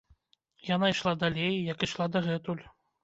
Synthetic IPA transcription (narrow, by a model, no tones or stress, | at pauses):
janaiʂlˠad̪alʲejjɐkiʂlˠad̪ɐɣɛt̪ulʲ